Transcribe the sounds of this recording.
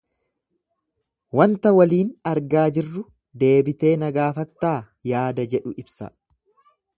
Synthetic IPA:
wɐnt̪ɐwɐliːnɐɾɡaːd͡ʒɪrːʊ | d̪e̞ːbɪt̪e̞ːnɐɡaːfɐt̪ːaː | jaːd̪ɐd͡ʒɛᶑʊʔɪbsɐ̰

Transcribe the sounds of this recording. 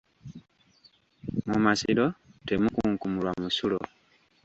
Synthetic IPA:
mumasilo̞twemukuːŋkumulwamusulo

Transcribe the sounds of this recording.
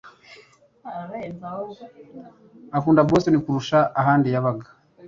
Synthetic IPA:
akuːndabɡo̞ːse̞nikuɾuʃaːɦaːndijaβaɡḁ

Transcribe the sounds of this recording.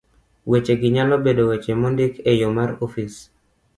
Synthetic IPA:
wet͡ʃeɡɪɲalɔbedowet͡ʃemondɪkejomaɾofis

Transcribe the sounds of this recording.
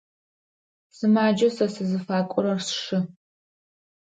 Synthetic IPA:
sɨmaːd͡ʒɐsɐsɨzɨfaːkʷʼʊɾɐrsʂɨ

